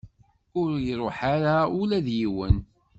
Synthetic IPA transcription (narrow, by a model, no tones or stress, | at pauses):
ʊɾjiɾˤoħaɾaʊlæðjiwən